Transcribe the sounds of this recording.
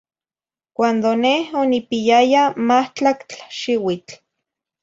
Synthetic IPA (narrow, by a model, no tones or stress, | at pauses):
kʷand̪onehonipijajamaht͡ɬakt͡ɬḁʃiwit͡ɬ